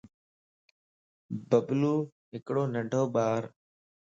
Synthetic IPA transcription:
bəbluː | ɦɪkɽoːnəɳɖʱoːɓaːɾ

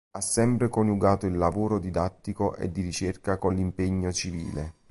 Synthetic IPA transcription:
asːɛmpɾekonuɡaːt̪oilːavoːɾod̪id̪at̪ːikoʔḛd̪ːiɾit͡ʃerkakonlimpeɲːot͡ʃivḭːle

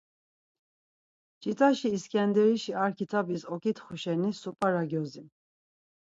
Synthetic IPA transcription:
t͡ʃʼit͡s̪ʼaʃiːskʼɛnd̪ɛɾiʃiaɾkʰit͡s̪ʰabisɔkʰʼit̪ʰχuʃɛnisupʼaɾaɡjɔzi

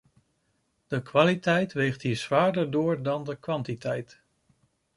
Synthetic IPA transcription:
d̥əkʋaːlitɛjtʋejχtɦiːɹzʋaːɹdəɹdʊːɹdɑndəkʋɑntitɛjt

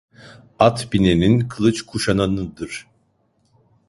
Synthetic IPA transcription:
at̪bineninkʰɯlˠɯt͡ʃkʰuʃananɯd̪ɯɾ̥

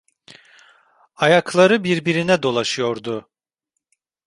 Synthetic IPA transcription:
ajaklˠaɾɯbiɾbiɾinɛd̪o̞lˠaʃɯjo̞ɾd̪ʊ

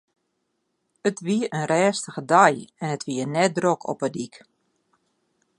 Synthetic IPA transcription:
ətʋiəʔənrɛːstəɣədajɛnətʋiənɛt̚drokʰɔ̰pədik

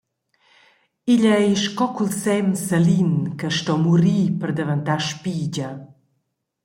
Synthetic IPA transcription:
iʎəiʃkɔkulsɛmsəlinkəʃtɔmuɾiːpəɾd̪əvənt̪aʃpiɟə

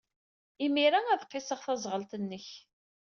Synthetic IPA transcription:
imiɾææðqːɪsəʁθæzˤʁəlt̪ənːəç

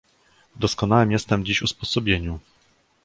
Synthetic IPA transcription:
d̪ɔskɔnawɛmjɛst̪ɛmd͡ʑiɕuspɔsɔbʲjeɲu

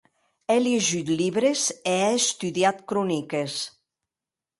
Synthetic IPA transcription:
ɛleʒyt̪lʲiβɾezeɛest̪yðiat̪kɾɔnikes

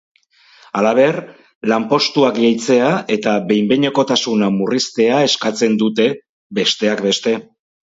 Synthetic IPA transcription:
alaβ̞e̞r | lampo̞st̪uakʝejt͡se̞ae̞t̪aβe̞jmbeɲe̞ko̞t̪asunamurist̪e̞ae̞skat͡se̞nd̪ut̪e̞ | be̞st̪e̞akbe̞st̪e̞

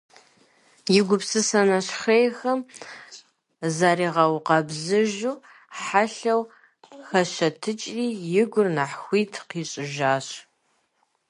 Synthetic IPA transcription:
jɪɡʷʊpsɨsɐnɐɕxejxɐm | zaːɾiːʁɐwqɐbzɨʒuː | ħaɬɐw | xɐɕɐtʰɨt͡ʃʼriːjɪɡʷʊrnaħxʷiːtʰqiːɕʼɪʒaːɕ

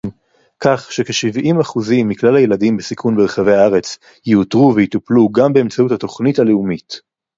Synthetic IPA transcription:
kaχʃekeʃivimaχuzimːiklalaje̞ladimbesikʰunbeʁχave̞jaaʁe̞t͡s | jiutʁuvejitupluɡambe̞ːmt͡sautat̪o̞χnitaleumit

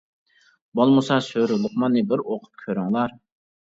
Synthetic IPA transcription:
bolˠmusɑsøɾʊlˠʊχmɑnːɨbɪɾoqʰʊ̥p̚kʲʰøɾyŋlˠɑɾ

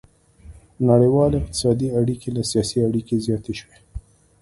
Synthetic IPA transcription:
naɽejwɑleɪq̚t̪ɪ̥sɑd̪iaɽikʰelasijɑsiaɽikezjɑt̪eʃwe

